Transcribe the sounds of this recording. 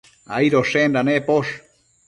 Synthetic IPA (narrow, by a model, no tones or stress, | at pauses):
a̰jɾoʂend̪anepoʃ